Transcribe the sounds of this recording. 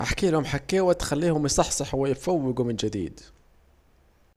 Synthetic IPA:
ʔa̰ħkiːlhʊmħakːæːwæt̪xalːiːhʊmjsˤɑħsˤɑħwɪjɪfawːɪɡumɪnd͡ʒɪd̪ḭːd̪

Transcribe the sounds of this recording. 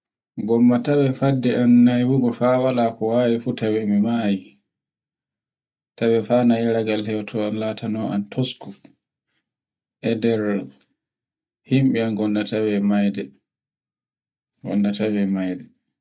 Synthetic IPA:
ɡɔmːatawɛfadːɛʔanːajwuɡɔfawalakɔwaːwifuːtawɛmimaji | tawɛfaːnajaɾaɡalhɛwtʰɔanlatanɔʔa̰ntʰosku | ʔɛdɛɾ | himɓianɡɔndatawɛmajdɛ | ɡɔ̰ndatawɛmajdɛ

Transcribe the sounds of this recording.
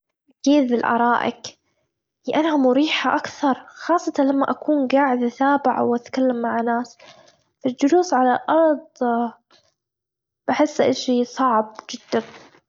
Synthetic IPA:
ʔakiːd̪ɪlʔɑ̰ɾˤɑːʔɪ̰k | liʔanhamʊɾiːħaʔakθɑɾˤxɑːsˤːɑt̪ɑlamːaʔakuːnɡaːʕɪd̪at̪aːbɪʕa̰wʔat̪kalːamːaʕanaːs | fald͡ʒʊluːsʕalaʔɑɾˤd̪ˤ | b̥aħɪsːʔa̰ʃisˤɑʕb̚d͡ʒɪd̪ːan

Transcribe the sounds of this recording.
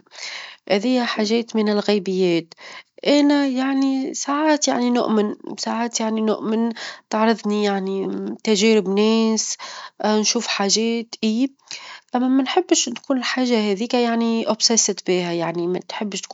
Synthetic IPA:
hæðɪjːæħaːʒɛːt̪mɪnɪlɣɛːbɪjːɛːt̪ʔænæjaʕnisaːʕaːt̪jaʕninʊ̰ʔmɪnsaːʕaːt̪jaʕninʊ̰ʔmɪnt̪ɑʕɾˤɑðˤnijaʕnit̪æʒɛːɾɪbnɛːs | nʃuːfħaːʒɛːt̪ʔiː | ʔæmːæmanħɪbːɪʃnkuːnɪlħaːʒːahɛːðiːkajaʕniʔʊbsɛsɪt̪biːhæjaʕnimæt̪ħɪbːʃt̪kː

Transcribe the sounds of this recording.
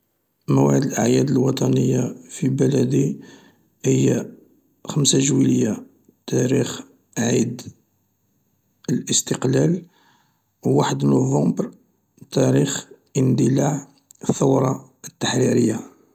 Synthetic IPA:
mæwʕəd̪əlʔəʕjæd̪əlwɑt̪ˤɑnəjːafibælæd̪i | həjːa | xəmsaʒwiləjːa | t̪æɾix | ʕid̪ | əlʔəst̪əqlæl | wwaħəd̪nuvɑ̃mbɾ | t̪æɾixʔənd̪əlaʕ | θəwɾˤɑ | ət̪ːaħɾiɾəjːa

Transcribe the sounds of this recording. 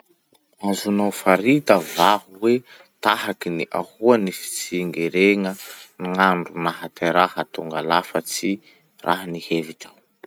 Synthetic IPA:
azunawfaɾit̪əvahuwe | t̪ahakiniʔahuanifi̥t͡siŋɡeɾeŋəniŋaɳɖ͡ʐunaɦat̪ʰeɾahat̪uŋɡalafət͡si | rʔa̰ɦaniheviʈ͡ʂaw

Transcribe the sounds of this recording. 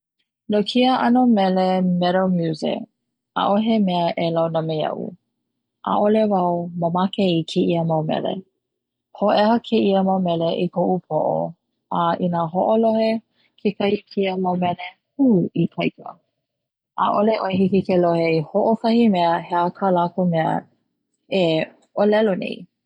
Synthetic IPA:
nokʰiəʔɐnomɛlemɛɾomjuzɪ̰ | a̰ʔoɦemɛəʔelawnɐmeɐ̰ʔṵ | ʔa̰ʔolevɐoməmakeikʰeʔiəmawmɛ̰lḛ | hoʔɛhɐkʰeʔiəmawmɛleʔikoʔupʰo̰ʔo̰ | aʔinaɦoʔolohe | kʰekɐikʰiəmawmɛle | huipʰɐjkə̰ | ʔa̰ʔoleʔoeɦikikeloheihoʔokɐhimɛəheakʰalakomɛə̰ | e | ʔolɛlonḛi

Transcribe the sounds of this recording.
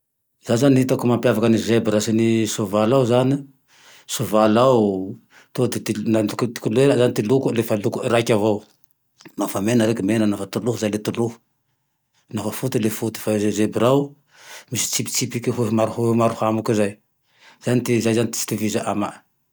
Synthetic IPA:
zazanihit̪akumampjavakənizebɾasinisuvalawzani | suvalaw | t̪od̪et̪inakt̪i̥kulueɾazanit̪ilukulefalukuiɾakʲavow | mafamenəɾekimenanafat̪uluhuzajlet̪uluhu̥ | nafəfut̪ilefut̪i̥faezebiɾaw | misi̥t͡sipi̥t͡sipikiɦuɦmaɾuhumaɾuhamukizaj | z̥anit̪izajzanit̪i̥si̥t̪ivizaʔamaʔ

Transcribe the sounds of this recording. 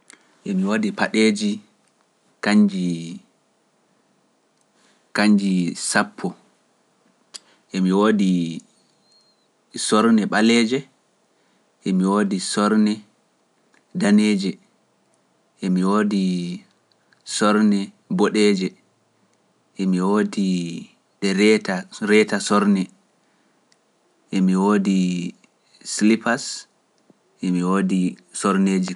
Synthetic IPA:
ʔɛmiwoːdipaɗeːd͡ʒi | kaɲd͡ʒi | kaɲd͡ʒisapʰːɔ | ʔɛmiwoːdi | sɔɾnɛɓalɛːd͡ʒɛ | ʔɛmiwoːdisɔɾnɛ | daneːd͡ʒɛ | ʔemiwoːdi | sɔɾnɛ | bɔɗɛːd͡ʒɛ | ʔemiwodi | ɗɛɾɛtaɾɛtasɔɾnɛ | ʔemiwoːdi | slipas | ʔemiwoːdisɔɾneːd͡ʒi

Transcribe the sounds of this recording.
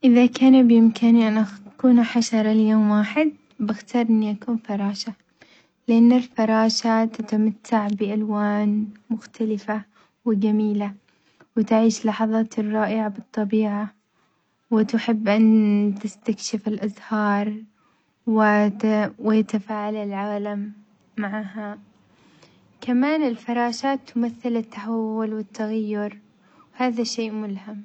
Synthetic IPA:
ʔɪðakaːnabjɪmkaniʔanʔakuːnħaʃɑɾˤɑljoːmwaːħɪd̪̚ | bɪxt̪ɑːɾˤʔɪnːiʔakuːnfɑɾˤɑːʃa | lɪʔanːɪlfɑɾˤɑːʃat̪at̪amat̪ʰːaʕbɪʔalwaːnmʊxt̪ʰalɪfa | wɪd͡ʒamiːla | wɪt̪aʕiːʃlːɑħɑðˤɑːt̪rˤːɑːʔɪʕabɨt̪ˤːɑbiːʕa | wɪt̪ɪħɪbːʔant̪ɪst̪akʃɪfɪlʔazhɑːɾˤ | wɪ | wɪjat̪afaːʕalɪlʕaːlamː | aʕaːɦa | kamaːnɪlfɑɾˤɑːʃaːt̪ːʊmaθːɪlɪt̪ːaħawːʊlwɪt̪ːaɣajːʊɾ | haːðaʃeːʔmʊlham

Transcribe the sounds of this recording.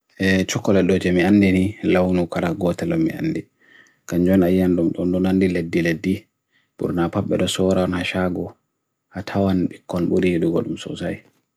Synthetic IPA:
ʔɛt͡ʃɔkːɔlɛɗɔd͡ʒɛmianːdinilawnukaɾaɡɔtɛlɔmːḭa̰nːdi | kaɲd͡ʒɔnajanɗumɗɔnɗɔnandiledːiledːi | ɓṵɾnapaɓːɛɗɔsɔɾawɔnhaʃaɡɔ | ʔatʰawanɓikːɔnɓuɾiɗuɡɔ̰ɗumsɔ̰sa̰j

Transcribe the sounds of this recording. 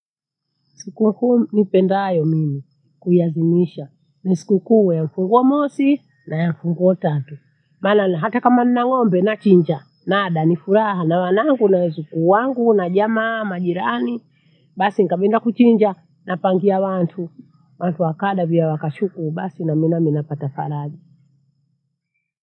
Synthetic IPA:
sikum̩kunipɛndajɔmimi | kuiazimiʃa | nisi̥kukuːjaɱ̩fuŋɡuɔmɔsi | najaɱ̩fuŋɡuɔtatu | maːnaɦatakamaninaŋɔmbɛnat͡ʃiɲd͡ʒa | naɗanifuɾahanawanaŋɡunawɛzukuːwaŋɡunaʄamaːmaʄiɾani | ɓasiŋkaɓɛndakut͡ʃiɲd͡ʒa | nʔapaŋɡiawantʰu | wantuwakaɗaviawakaʃukuɓasinaminaminapatafa̰ɾaʄi

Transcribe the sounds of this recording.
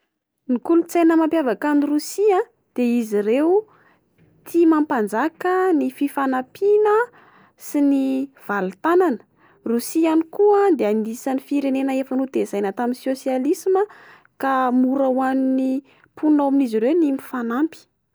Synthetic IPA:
nikulut͡sajnəmampjavakanirusiã | d̪̥eiziɾewu | t̪ʰimampand͡zakənififanapʰinə | siniv̥alut̪ananə̥ | rusianikuad̪eanisanifiɾenenəefanud̪ezajnat̪aminisosialisimə | kamuɾawanini | pʰunaaminiziɾewnimifanampi̥

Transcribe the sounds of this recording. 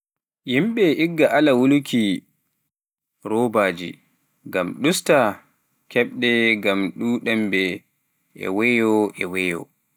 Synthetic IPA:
jimɓɛʔiɡːaʔalawulukʰi | ɾɔːbaːd͡ʒḭ | ɡamɗusta | kʰɛɓɗɛɡamɗuɗɛmbɛ | ɛ̰wɛjɔʔɛwɛjɔ̰

